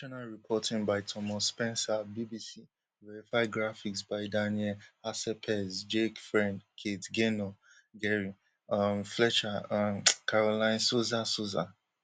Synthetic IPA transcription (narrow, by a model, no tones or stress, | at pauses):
ɔnaɹipʰɔtʰĩŋbaɪtʰɔmɔspɛ̃nsabibisi | vɛɹifaɪɡɹafiksbaɪdaniɛlhasɛpʰɛsd͡ʒekfɹɛ̃ndkʰetɡenɔ | ɡɛɹi | amflɛt͡ʃamkaɹolãɪ̃nsozasoza